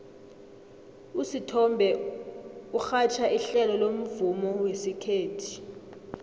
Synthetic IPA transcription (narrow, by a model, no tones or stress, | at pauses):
usitʰɔmbʱɛ | uxat͡ʃʰaʔiɬɛlɔlom̩vumɔwesikʰeːtʰi̥